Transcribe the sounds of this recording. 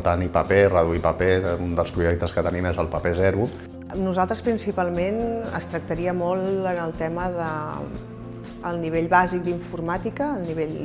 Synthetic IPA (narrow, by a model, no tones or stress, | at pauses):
t̪anipəperəðuipəpeund̪əlˠspɾuʒɛk̚t̪əskət̪ənimezəlˠpəpezɛɾu | nuzalˠt̪ɾəspɾinsipalˠmenə̰st̪ɾək̚t̪əɾiəmɔlˠənəlˠt̪ɛməðə | lˠniβeʎβazik̚d̪iɱfurmat̪ikəːlˠniβeʎ